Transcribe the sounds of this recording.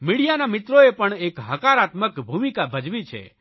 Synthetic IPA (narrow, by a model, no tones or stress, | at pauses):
miɽijanamɪt̪ɾoepəɳekɦəkaɾat̪məkbʱumikabʱəd͡ʒʋit͡ʃʰḛ